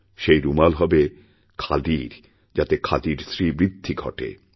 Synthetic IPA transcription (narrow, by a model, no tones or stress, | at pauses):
ʃejɾumalɦɔbe | kʰad̪iɾ | d͡ʑat̪ekʰad̪iɾsɾibɾid̪ʱːiɡʱɔ̰ʈḛ